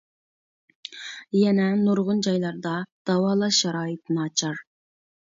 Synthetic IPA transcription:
jɛnɛnuɾʁʊnd͡ʒɑjlˠɑɾd̪ɑd̪̥ɑwɑːlˠɑʃɛɾɑːjɨt̪nɑːt͡ʃʰɑɾ

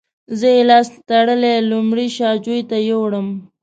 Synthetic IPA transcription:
zəelɑst̪aɽəlelumɽiʃɑd͡ʒujt̪ajowɽəm

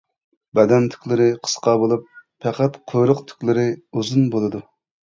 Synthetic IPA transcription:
bɛd̪ɛnt̪ʰy̥kʲlˠɪɾɪqʰə̥sqɑbolˠup̚fʰɛqæt̪qʰojɾʊqt̪ʰy̥kʲlɪɾɪuzunbolˠɨd̪u

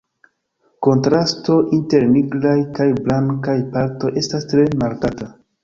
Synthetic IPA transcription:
ko̞ntɾasto̞ʔinte̞ɾmiɡɾajkajblaŋkajpaɾto̞jʔe̞stastɾe̞maɾkata

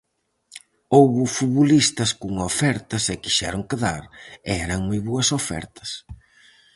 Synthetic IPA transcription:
owβʊfuβolist̪ɐskuŋaofɛɾt̪ɐsɪkiʃɛɾoŋkeðaɾeɛɾɐŋmujβoɐsofɛ̰ɾt̪ʰɐ̥s

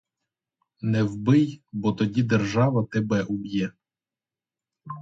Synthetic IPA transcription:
nɛwbɪjbɔt̪ɔdʲid̪erʒɑʋɐt̪ebɛʔubʲjɛ

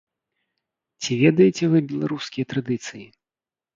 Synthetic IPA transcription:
t͡sʲivʲɛd̪ɐjɛt͡sʲɛvɨbʲɛlˠaɾuskʲijɐt̪ɾad̪ɨt̪sɨji

